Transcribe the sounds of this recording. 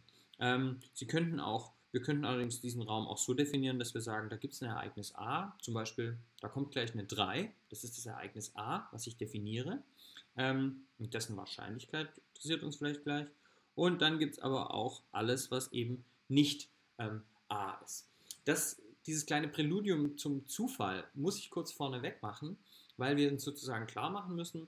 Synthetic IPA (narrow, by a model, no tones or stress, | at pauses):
ʔɛːmz̥iːkʰœntn̩a̰ʊxviːɐkʰœntn̩alɐdɪŋsd̥iːzn̩ʁaʊmʔa̰ʊxz̥oːdefiniːʁ̞əndasv̥iːɐzaːɡŋ̩daːɡiːp̚tsnɛɐʔa̰ɪɡnɪsʔa̰ːt͡sʊmbaɪʃpiːld̥aːkʰɔmt̚ɡ̥laɪçnədʁaɪd̥asɪst̚d̥asɛɐʔa̰ɪɡnɪsʔaːvasɪçd̥efiniːʁəʔɛːmʔʊnt̚d̥ɛsn̩va̰ɐʃa̰ɪnlɪçkʰaɪtɪntʁ̥əs̬iːɐtʊ̰nsfɪlaɪçt̚ɡ̥laɪç | ʔʊnt̚d̥anɡiːp̚tsʔa̰ːbɐ̰ʔa̰ʊxʔa̰ləsv̥asʔḛːbm̩ | nɪçt | ʔɛːm | ʔaːʔɪ̰st | d̥asd̥iːzəskl̥aɪnəpʁ̥ɛluːdjʊmt͡sʊmt͡suːfa̰lmʊsɪçkʰʊɐt͡sfɔɐnəvɛkmaχn̩vaɪlviːɐʊnsz̥oːt͡suzaːɡŋ̩kʰl̥a̰ːɐmaχn̩mʏsn̩